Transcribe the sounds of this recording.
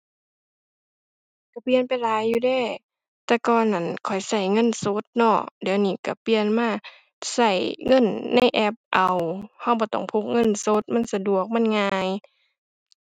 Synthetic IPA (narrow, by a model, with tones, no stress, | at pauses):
ka˧˩pi˧ənpa˨jlaː˨˦jːuː˧˩dɛː˧˩˨ | t̪ɛː˧kɔː˧˩na˧˩˨nkʰɔ˨˩jsa˧˩jŋɤ˧˥˨nso˧˦t̪̚nɔ˧˩di˨wniː˧˩ka˧˩pi˧˨ənmaː˧˩˨ | sa˧˩jŋɤ˧˥˨nːa˧˥˨jʔɛ˧˥p̚ʔa˨˩wha˧˩wbɔː˧˦t̪ɔ̰˧˩ŋpʰu˧˥k̚ŋɤ˧˥˨nso˧˦t̪̚ma˧˥˨nsa˧du˨˩ək̚ma˧˥˨nŋaː˧j